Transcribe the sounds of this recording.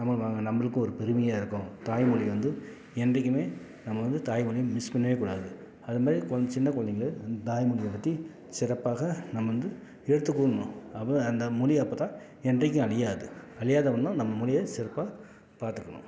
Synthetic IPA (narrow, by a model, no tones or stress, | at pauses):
nɐmːɐʋaːŋɡɐnɐmːɐɭɯkːʊ̃ɔɾɯpɛɾɯmɪjɐaːɪɾɯkːʊ̃t̪aːjmʊɻɪʋɐnd̪ɯ | ɛndrɛk̬ːɯmeː | nɐmːɐʋɐnd̪ɯt̪aːjmʊɻɪmɪspɐnːɐʋeːkuːɽa̰ːðɯ | ɐðɯmaːd̪ɾikt͡ʃɪnːɐkɔɭɐnɪŋɐɭɯt̪aːjmʊɻɪjɐpːɐt̪ːi | sɪɾɐpːaːɣɐnɐmːɐʋɐnd̪ɯ | ɛɽɯt̪ːɯkːuːɽɐnʊ̃ɐpːɐɐnd̪ɐmʊɻiɐpːoːt̪ãː | ɛndrɐk̬ʲːʊ̃ɐɭɪjaːðɯɐɻɪjaːðɐʋɐnd̪ãnɐmːɐmʊɻɪjɐsɪɾɐpːaː | paːɾt̪ɯkːɐɳʊ̰̃